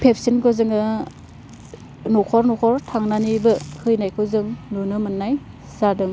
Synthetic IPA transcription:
pʰep̚ʰsinkʰɯzɯŋɯ | nɔkʰɔɾnɔkʰɔɾtʰaŋnanibɯhɯjnajkʰɯzɯŋnunɯmɯnːaj | zadɯŋ

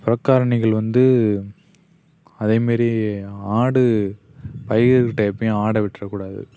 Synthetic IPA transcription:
pɪɾɐkːaːɾɐɳɪɣɐɭʋɐnd̪ɯ | ɐðeːmeːɾiaːɽɯ | pɐjɣkʈːɐɐpːɐj̃aːɽɐʋɪʈːrɐkuːɽaːðɯ̰

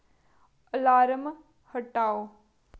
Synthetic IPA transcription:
əlaːɾəm | həʈːaːoː

